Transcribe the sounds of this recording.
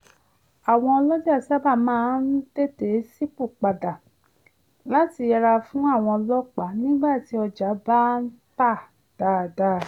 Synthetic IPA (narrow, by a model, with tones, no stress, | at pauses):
a˨w̃ɔ̃˧ɔ˧lɔ˦di˦a˦˨sa˦ba˦˨mãː˦n̩˦d̥e˦te˨˦si˦k͡pu˦˨k͡pa˨da˨ | la˦ti˧jɛ˧ɾa˧fũ˦a˦˨w̃ɔ̃˧ɔ˧lɔ˦k͡pa˨˦nĩ˦ɡ͡ba˦˨ti˨˦ɔ˧d͡ʒa˨˦ba˦n̩˦ta˦˨ | d̥aː˨˦˨da˨˦˨